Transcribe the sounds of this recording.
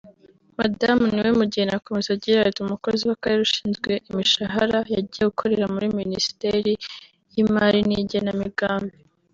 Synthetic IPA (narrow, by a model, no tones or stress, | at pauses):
ma̰damniwemuɟihenako̞mezaɟiɾaetumuko̞ziwakaɾeɾuʃi̥ːnzɡwe̞ʔimiʃaɦaɾajaɟijeɡukʰo̞ɾe̞ɾamuɾiminisi̥teɾi | jimaɾiniːɟe̞namiɡaːmbe